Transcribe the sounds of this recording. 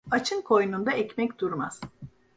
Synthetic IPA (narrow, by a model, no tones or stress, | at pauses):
at͡ʃʰɯnkʰo̞jnund̪aɛcmɛcd̪uɾma̰z̥